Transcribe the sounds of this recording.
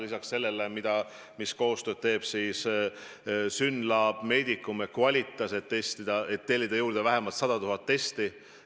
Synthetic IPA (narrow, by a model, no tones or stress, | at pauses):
lisɑksse̞lːe̞lemid̪̥ɑ | misko̞ːst̪ø̞ːd̪̥t̪e̞ːb̥siːs | synlɑb̥me̞ːd̪̥ikːˑumekuɑlʲit̪ːˑɑset̪ːe̞st̪id̪̥ɑʔet̪ːe̞lʲːid̪̥ɑjuːɾd̪̥evæɦe̞mɑlt̪sɑd̪̥ɑt̪uɦɑt̪ːe̞st̪i